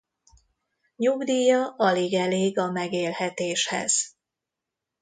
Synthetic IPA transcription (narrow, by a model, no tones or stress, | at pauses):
ɲuɡd̪iːjɒʔɒleɡɛleːɡɒmɛɡeːlhɛt̪eːʃhɛ̰z̥